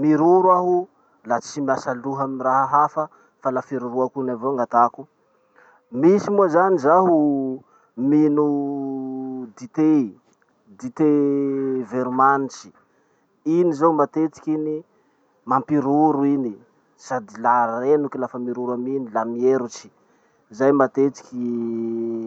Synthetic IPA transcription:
miɾuɾwaɦu | lat͡simiasaluɦamiraɦaɦafə | falafeɾuɾuakunavoaŋɡat̪aku | misimuzanizaɦu | minu | d̪it̪e | d̪it̪e | veɾumanit͡ʃi̥ | inizowmat̪et͡si̥kʲini | mampiɾuɾuini | sad̪ilarenukilafəmiɾuɾaminilamieɾut͡ʃi̥ | zajmat̪et͡si̥kʲi

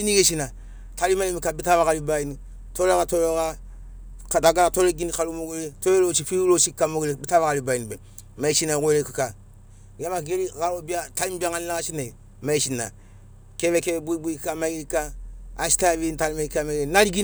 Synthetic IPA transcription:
iniɡeʃina | talimalimikabitaβaɣalibaini | toɾoɣatoɾoɣa | kdaɡaatoɾeɡinikalumoɡeletoɾeloʃifilot͡ʃikamoɡelebitaβaɣalibainibe | maiʃinaɣʷeɾekika | ɡamaɡeɾiɡaɾobiatalimbiaŋaninaɣaʃinai | maiʃina̰ | keβekeebuibuikkamaɡeɾikaːsi̥taβintalimaikamaɡenaɾiɡi

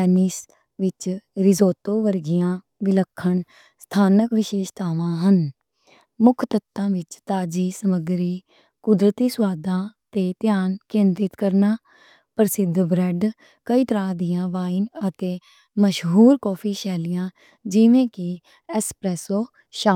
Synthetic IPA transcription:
ɛːnis | ʋɪt͡ʃɾɪzoːt̪oːʋəɾɡɪjãː | ʋɪləkʰːəɳ | st̪ʰaːnəkʋɪʃeːʃt̪ʰaːʋãːɦən | mʊkʰt̪ət̪ːãːʋɪt͡ʃt̪aːd͡ʒiːsəməɡɾiː | kʊd̪ɾət̪iːswaːd̪ãːt̪eːt̪jaːnkɪ̃nd̪ɪt̪kəɾnaː | pəɾsɪd̪bɾɛːɖ | kəiːt̪əɾãːd̪ɪjãːʋaːɪnət̪eː | məʃɦuːɾkɔːpʰiːʃɛːlɪjãː | d͡ʒɪʋẽːkɪ | ɛːspɾɛːsoː | ʃaː

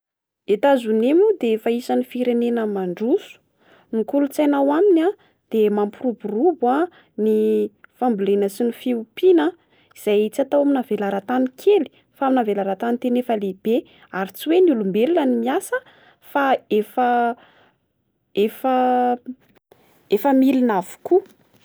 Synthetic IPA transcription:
et̪azunemud̪efaisanifiɾenenəmaɳɖ͡ʐusu̥ | nikulut͡sajnawamina | d̪̥emampuruburuba | nifambulenəsinifiupinə | iz̥ajit͡sat̪awaminavelaɾat̪anikʰeli̥ | faaminavelaɾat̪anint̪enefəleb̥e | aɾit͡siwenulumbeɾilanimiasə | faefə | efə | efəmilinavu̥ku

